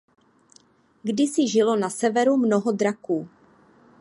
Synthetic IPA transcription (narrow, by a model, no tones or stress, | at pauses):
ɡdɪsɪʒɪlo̞nasɛvɛɾumno̞ɦo̞d̪ɾakuː